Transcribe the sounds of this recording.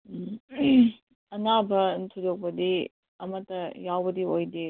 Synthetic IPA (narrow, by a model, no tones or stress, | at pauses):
ɐnabɐntʰudok̚pɐdi | ɐmɐtːɐjawbɐdiojde